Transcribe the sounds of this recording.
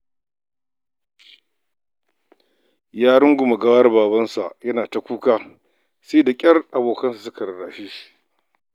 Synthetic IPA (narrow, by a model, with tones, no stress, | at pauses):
jaː˦ɽʊ˦ŋɡʷʊ˨mɐ˨ɡɐ˦wɐ˦rbaː˨bɐ˦nsa̰˨ʔjɐ˦naː˨ta˨kʷuː˦kaː˦ | se˦da˨kʲʼɐ˦rʔa˨boː˨kɐ˦nsa˨su˦kɐ˨ɾɐ˨ɽaː˨ʃi˦